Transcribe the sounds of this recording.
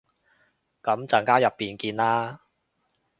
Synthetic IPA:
kɐ˨˥mt͡sɐ˨˧ŋkaː˥jɐ˨pːiː˨nkiː˧nlaː˥

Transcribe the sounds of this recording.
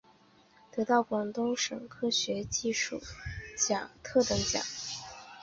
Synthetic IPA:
t̪ɤ˧˥t̪ɑ˥˩ʊkwɑ˨˩ŋt̪ʊ˥ŋʂɤ̰˨˩ŋkʰɤ˥ɕɥɛ˧˥t͡ɕi˥˧ʂṵ˥˩t͡ɕja̰˨˩˦t̪ʰɤ˥˩t̪ɤ˧˥ŋt͡ɕja̰˨˩˦

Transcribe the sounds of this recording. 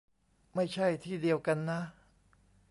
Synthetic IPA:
ma˥˩jt͡ɕʰa˥˩jt̪ʰiː˥˩di˧əwka˧nːa˦˥

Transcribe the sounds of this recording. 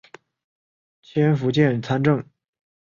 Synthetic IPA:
t͡ɕʰjɛ˥nfu˧˥t͡ɕjɛ˥˩nt͡sʰa˥nʈ͡ʂɤ˥˩ŋ

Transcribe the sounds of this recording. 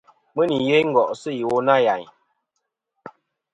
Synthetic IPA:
mə˦ni˨je˦ŋ̩˦˨ɡɔ˨ʔsɨ˦ji˨wo˦na˦˨ja˨ɲ

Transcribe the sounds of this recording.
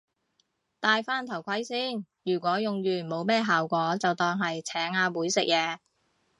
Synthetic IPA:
t̪aː˧jfaː˥nt̪ʰɐ˨˩wkʰɐ˨˥jsiː˥˩n | jyː˨˩kʷɔː˨˥jʊ˨ŋjyː˨˩mo˨˧wmɛː˥ɦaː˨wkʷɔː˨˥t͡sɐ˨wt̪ɔː˧ŋɦɐ˨jt͡sʰɛː˨˥ŋaː˧wuː˨˥jsɪ˨k̚jɛː˨˧

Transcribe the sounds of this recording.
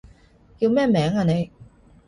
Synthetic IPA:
ji˧wmɛː˥˩mɛː˨˥ŋaː˧ne˨˧j

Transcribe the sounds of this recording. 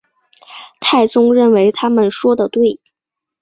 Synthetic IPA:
t̪ʰa˥˩ɪt͡sʊ˥ŋɻə˥˩nwe˧˥ɪt̪ʰa˥mə˨nʂwɔ˥d̪ə˨t̪we˥˩ɪ

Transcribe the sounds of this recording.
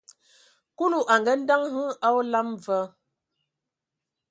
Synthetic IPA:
ku˦nu˨ʔa˨ŋɡɛ˦n̩˦da˦ŋɦə˦a˦wla˦m˨və˦

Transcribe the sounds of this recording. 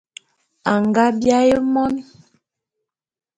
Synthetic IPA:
a˨ŋɡa˦bja˦je˦mɔ˦ni˦

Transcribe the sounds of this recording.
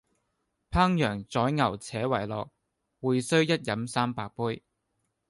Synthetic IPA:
pʰaː˥ŋjœː˨˩ŋt͡sɔː˨˥jŋɐ˨˩wt͡sʰɛː˨˥wɐ˨˩jlɔː˨k̚ | wuː˨jsɵ˥ɥjɐ˥t̚jɐ˨˥msaː˥mpaː˧k̚puː˥j

